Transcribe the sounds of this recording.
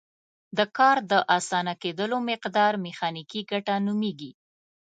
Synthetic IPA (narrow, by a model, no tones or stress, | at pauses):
d̪əkɑɾd̪əʔɑsɑnaked̪əlomɪqd̪ɑɾmɪxɑnikiɡaʈanumeɡi